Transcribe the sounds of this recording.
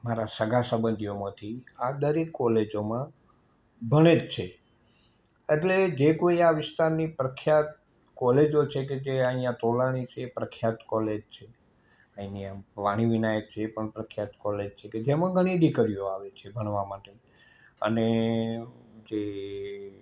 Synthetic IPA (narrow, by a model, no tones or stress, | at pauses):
maɾasəɡʱasəbənd̪ʱijomãt̪ʰiad̪əɾekːɔled͡ʒomã | bʱəɽ̃ed͡ʒt͡ʃʰe | eʈled͡ʒekoiaʋɪst̪aɾnipɾəkʰjat̪ | kɔled͡ʒot͡ʃʰeked͡ʒeəijãt̪olaɽ̃it͡ʃʰeːpɾəkʰjat̪kɔled͡ʒt͡ʃʰe | əiniãʋaɽ̃iʋinajək̚t͡ʃʰeːpəɳpɾəkʰjat̪kɔled͡ʒt͡ʃʰeked͡ʒemãɡʱəɽ̃iɖ̪ikəɾijoaʋet͡ʃʰebʱəɳ̃ʋamaʈe | ə̰ne | d͡ʒe